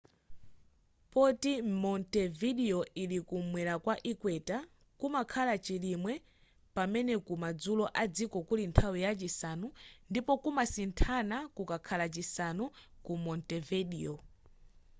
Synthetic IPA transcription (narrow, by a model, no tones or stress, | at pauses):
pɔtimɔntɛviɗiɔilikumwɛɾakwaʔikwɛta | kumakʰalat͡ʃilimwɛ | pamɛnɛkumad͡zulɔʔad͡zikɔkulintʰawijat͡ʃisanundipɔkumasintʰanakukakʰalat͡ʃisanukumɔntɛvɛɗiɔ